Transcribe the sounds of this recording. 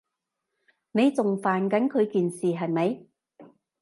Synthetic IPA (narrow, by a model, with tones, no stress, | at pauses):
ne˨˧jt͡sʊ˨ŋfaː˨nkɐ˨˥nkʰɵ˨˧ɥkiː˨nsiː˨˩ɦɐ˨jmɐ˨˧j